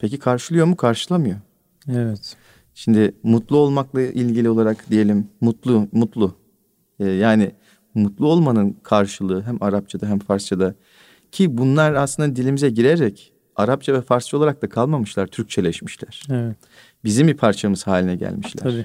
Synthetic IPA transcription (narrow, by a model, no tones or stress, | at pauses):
pʰe̞cikʰaɾʃɯlˠɯjo̞mukʰaɾʃɯlˠamɯjo̞ | evɛt̪ | ʃimd̪ɪmut̪lˠuo̞lˠmaklˠaʔilʲɟilʲio̞lˠaɾakd̪ije̞lʲimːut̪lˠumut̪lˠu | ɛːjaːnɪ | mut̪lˠuo̞lˠmanɯnkʰaɾʃɯlˠɯːɦæmaɾap̚t͡ʃʰad̪aɦæmfaɾst͡ʃʰad̪a | cʰibunlˠaɾaslɯnd̪ad̪ilʲimizɛɟiɾeɾɛc | aɾap̚t͡ʃʰavɛfaɾst͡ʃao̞lˠaɾak̚d̪akʰalˠmamɯʃlˠaɾt̪ʰyɾc̚t͡ʃʰelʲɛʃmiʃlʲæɾ̥ɛvɛ | bizimbipʰaɾt͡ʃʰamɯz̥haːlʲinɛɟæ̰lʲmiʃlʲæ̰ɾ